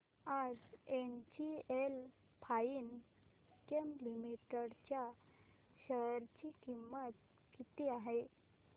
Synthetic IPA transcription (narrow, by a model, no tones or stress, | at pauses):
ad͡zent͡ɕiel | pʰain | kemlimiʈəɽt͡ɕja | ɕəɾt͡ɕikimːət̪̚ | kit̪iaɦe